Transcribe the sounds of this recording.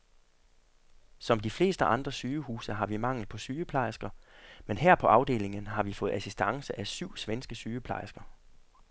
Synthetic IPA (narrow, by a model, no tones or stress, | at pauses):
sɒ̽md̥ifle̝̰ːsd̥əʔɑ̈nd̥ʁɐsyːəhṵːsɐɦɑ̈ʋimɑ̈ŋ̰l̩ˠpʰɒ̽syːəpʰlɑ̈ɪsɡ̥ɐmenɦɛɐ̰pʰɒ̽ʔɑ̈ʊd̥e̝̰ːle̝ŋənɦɑ̈ʋifɔ̽ːð̩ˠæsisd̥ɑ̈ŋsəʔæsyʊ̰sʋensɡ̥əsyːəpʰlɑ̈ɪsɡ̥ɐ